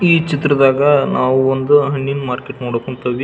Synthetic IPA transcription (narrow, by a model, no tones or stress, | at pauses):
iːt͡ʃit̪ɾɐd̪aːɡɐnʔaːʋuond̪uɦɐɳːinmaːɾkeʈnoːɽokoɳt̪ɐʋi